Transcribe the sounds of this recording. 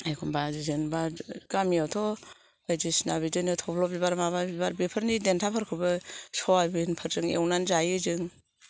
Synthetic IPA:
ajkʰɔnbazizɯnbaɡamiawtʰɔ | ajdisnaβidɯnetʰɔpʰlɔbiβaɾmaβabibaɾbipʰəɾnidentʰapʰəɾkʰɯbɯsɔabinpʰəɾzɯŋḛwnanzajɯzɯŋ

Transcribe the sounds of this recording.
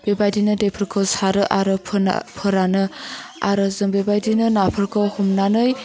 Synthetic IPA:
bebajdinɯdepʰɯɾkʰowsaɾɯʔaɾɯpʰpʰɯɾanɯaɾɯzɯmbebajdinɯnapʰɯɾkʰowhumnanɯj

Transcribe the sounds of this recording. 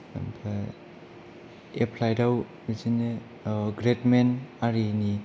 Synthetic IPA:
ba | epʰlajɾaw | izine | ɡɾetmenaɾini

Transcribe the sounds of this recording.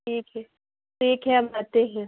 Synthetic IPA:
ʈʰiːkɦɛ | ʈʰiːkɦɛɦɐmaːt̪eɦɛ̃

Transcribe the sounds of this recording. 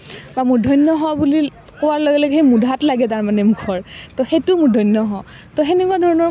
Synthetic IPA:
bamʊɹdʱɔjnːɔɦɔbuli | kɔwaɹlɔɡɛlɔɡɦejmudʱatlaɡɛtaɹmanɛmukʰɔɹtɔxejtumʊɹdʱɔjnːɔɦɔ | tɔɦenikwadʱɔɹɔnɔ

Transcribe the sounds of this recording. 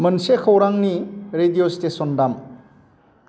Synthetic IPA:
mənsekʰəwɾaŋniɾedijostesɔndam

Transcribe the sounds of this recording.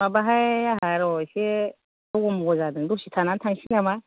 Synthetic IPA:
mabaɦajaɦaɾaoʃe | aɡomuɡozadəduʃitʰanatanʃinama

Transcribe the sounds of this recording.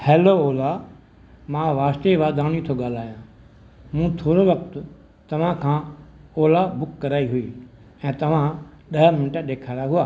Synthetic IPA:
hɛːlooːla | mãːʋaːst̪eʋaːd̪aːñit̪ʰoɠaːl̤aːjã | mũt̪ʰoːɾoʋɐkt̪ʊ | t̪ɐʋ̤ãkʰãːoːlabʊkːɐɾaːiɦʊi | ɛ̃ːt̪ɐʋ̤ãɗɐɦmɪnʈəɗeːkʰaːɾaɦʊaː

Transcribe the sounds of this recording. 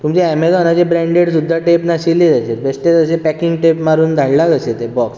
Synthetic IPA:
t̪umt͡ɕeæmelɔnad͡ʑebɾɛ̃ɳɖeɽsud̪ʱːaʈepnaɕilːid͡zət͡ɕet̪besʈet̪əsepɛkiŋɡʈepmaɾuːnd̪ʱaɽlaɡəset̪ebɔks

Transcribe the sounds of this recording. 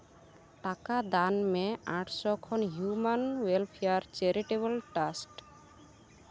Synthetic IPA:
ʈakad̪anmɛ̃ãʈʰsɔkʰɔnɦjumanwelpʰiaɾt͡ʃeɾiʈeβəlʈasʈ

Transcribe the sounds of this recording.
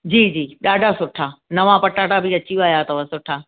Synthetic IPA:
d͡ʑiːd͡ʑiːɗaːɖʱasʊʈʰaːnɐʋãpɐʈaːɖabʱiɐt͡ɕiaːjat̪ɐʋasʊʈʰaː

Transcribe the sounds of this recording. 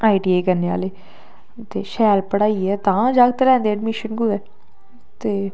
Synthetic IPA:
aːiʈiːeːkəɾneːa̰ːleː | t̪eːʃɛːlpəɽaːiːɛːt̪ãːd͡ʒaːɡ̚t̪elɛ̃ːnd̪eːɛɖmɪʃənɡuɛː | t̪eː

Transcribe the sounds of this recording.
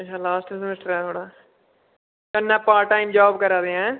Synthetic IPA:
ɪʃaːlaːsʈsɪmɪsʈəɾɛːt̪ʰoːɽaː | kənːãːpaːɾʈːaːimd͡ʒaːbkəɾaːd̪eːɛ̃ː

